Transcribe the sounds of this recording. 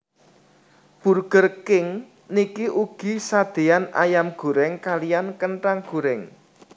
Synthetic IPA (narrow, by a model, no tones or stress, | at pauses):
b̥ṳrɡ̥ərkɪŋ | nikiʔuɡ̥i̤sad̪̥e̤ana̰jamɡ̥ṳɾɛŋkalijankəɳʈaŋɡ̥ṳɾɛŋ